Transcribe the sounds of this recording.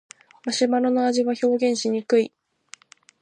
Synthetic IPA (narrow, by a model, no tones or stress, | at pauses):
maɕimaɾonoaʑiβaço̞ːɡẽ̞ɰ̃ɕiɲ̟ikɯ̟i